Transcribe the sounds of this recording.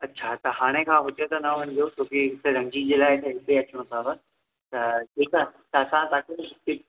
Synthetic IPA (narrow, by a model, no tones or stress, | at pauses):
ɐtːɕʰat̪ɐɦaːɽ̃ekʰãːɦʊt̪ət̪ɐnɐʋɐ̃ñ̆d̪ijot͡ɕõːkeɦɪt̪eɾɐ̃ŋd͡ʑid͡ʑeːlaːɪt̪ɐɦɪt̪eɐt͡ɕʊɽ̃õpʰaːbə | t̪ɐʈʰiːkat̪ɐɐsãt̪aːket̪ɪ